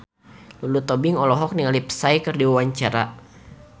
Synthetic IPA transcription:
lulut̪ɔbɪŋɔlɔɦɔk̚niŋalipsaikɨrdiwawaɲt͡ʃaɾa̰

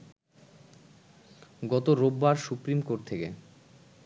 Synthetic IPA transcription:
ɡɔt̪oɾobːaɾsupɾimkoɾʈ̚t̪ʰekḛ

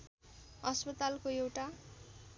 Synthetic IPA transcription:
ʌspʌt̪alkoewʈa

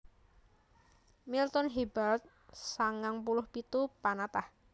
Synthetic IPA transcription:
milt̪ɔnɦibalt̪̚ | saŋaŋpulʊhpit̪upanat̪ah

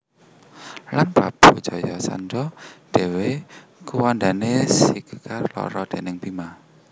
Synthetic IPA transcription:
lanb̥ab̥o̤d̥ʒ̥ɔ̤jɔsa̰ndɔd̥e̤wekuwand̪anesikəkarlɔ̰ɾɔd̪̥e̤nɪŋbima

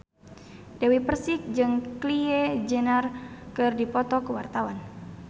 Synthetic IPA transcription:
dɛwipərsik̚d͡ʒɨŋkliɛd͡ʒənarkɨrdipɔt̪ɔkuwart̪awan

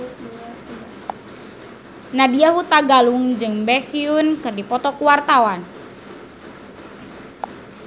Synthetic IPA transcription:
nadiaɦut̪aɡaluŋd͡ʒɨŋbɛxiunkɨrdipɔt̪ɔkuwart̪awan

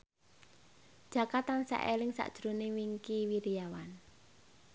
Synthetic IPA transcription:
d̥ʒ̥ä̤kat̪ansa̰ʔelɪŋsa̰ʔd̥ʒ̥ɾonewiŋkiwiɾijawan

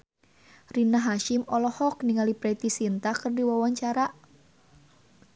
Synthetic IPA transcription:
rinaɦaʃɪmɔlɔhɔk̚niŋalipɾɛt̪isint̪akɨrdiwawaɲt͡ʃaɾaʔ

